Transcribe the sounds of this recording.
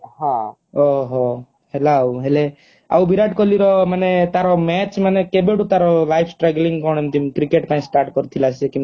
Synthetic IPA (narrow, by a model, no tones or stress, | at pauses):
ɦã | ɔɦɔ | helaːwɦele | a̰wbʱiɾaʈkɔliɾɔmanet̪aɾɔmɛt͡ʃmanekebeɽut̪aɾɔlajpʰsʈɾɛɡliŋɡkɔɽ̃emt̪imkɾikeʈpaĩsʈaɾʈkɔɾt̪ʰilasekĩ